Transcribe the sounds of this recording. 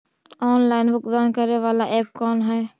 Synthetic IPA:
ɔːnlaːɪnʋʊkd̪aːnkəɾneʋaːlaʔɛːpkɔːnɦɛː

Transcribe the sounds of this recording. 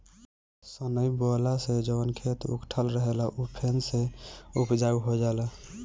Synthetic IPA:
sənəjbɔlased͡ʒəbənkʰet̪ṵkʈʰəlɾəɦelaʔupʰenseupd͡ʒaɡuɦod͡ʒala

